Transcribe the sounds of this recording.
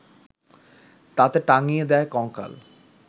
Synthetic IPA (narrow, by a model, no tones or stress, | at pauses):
t̪at̪eʈaŋijed̪ɛekɔŋka̰l